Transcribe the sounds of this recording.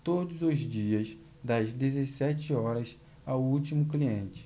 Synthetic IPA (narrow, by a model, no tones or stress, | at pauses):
t̪od̪ʊzʊzd͡ʒiɐs | d̪ɐzd̪ezesɛt͡ʃɪɔɾɐs | awut͡ʃimʊkliẽnt͡ʃɪ̥